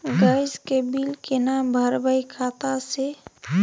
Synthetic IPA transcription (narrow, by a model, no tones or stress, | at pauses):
ɡəjzkebilkenambʱəɾbəjkʰat̪ase